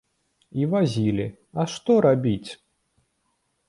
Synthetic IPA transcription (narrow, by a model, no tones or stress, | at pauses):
ivazʲilʲi | ɐʂt̪ɔɾabʲit͡sʲ